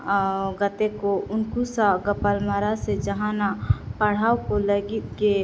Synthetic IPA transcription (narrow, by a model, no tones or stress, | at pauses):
ɡət̪ekoʊnkusaɡəpəlmaɾased͡ʒəɦãnapəɽ̤aːkoləɡɪt̪̚ke